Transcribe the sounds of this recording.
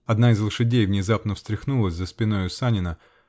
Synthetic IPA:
ɐd̪naɪzlˠəʂɨdʲejvnʲɪzapnəfst̪ɾʲɪxnulˠəsʲzəspʲɪno̞jʊsanʲɪnə

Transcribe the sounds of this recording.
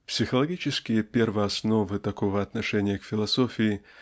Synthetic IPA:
psʲɨxɐlˠaɡʲit͡ʃɛskʲijɐpʲɛrvɐasnɔvɨt̪akɔɣɐɐd̪naʂɛnʲːjɐkfʲilˠasɔfʲiji

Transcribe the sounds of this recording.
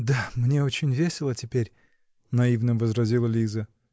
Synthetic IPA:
d̪amnʲeot͡ɕɪnʲvʲesʲɪlˠətʲɪpʲeɾʲ | nɐivnɨmvəzɾɐzʲilˠəlʲizə

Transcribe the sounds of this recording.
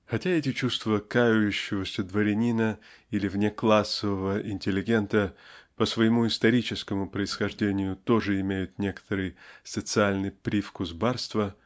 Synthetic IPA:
xɐtʲaɛtʲɪt͡ɕust̪vəkajʊjʉɕːɪvəsʲəd̪vəɾʲɪnʲinə | ilʲɪvnʲeklˠasːəvəvəʔɪnʲtʲɪlʲːɪɡʲe̞nt̪əpəsvəjɪmuɪst̪ɐɾʲit͡ɕɪskəmʊpɾəɪsxɐʐdʲenʲɪjʊt̪o̞ʐɨɪmʲejʊt̪nʲe̞kə̥t̪əɾɨjsət̪sɨalʲnɨjpɾʲifkʊzbarst̪və

